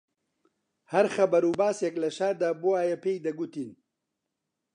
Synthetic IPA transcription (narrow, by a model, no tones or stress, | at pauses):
hɐɾχɐbɐɾubaːseklɐʃaːd̪aboaːjepejd̪ɐɡut̪in